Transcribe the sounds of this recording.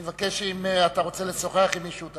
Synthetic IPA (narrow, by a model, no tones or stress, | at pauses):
vake̞ʃimeat̪aʁo̞t͡se̞leso̞χeaχimːiʃut̪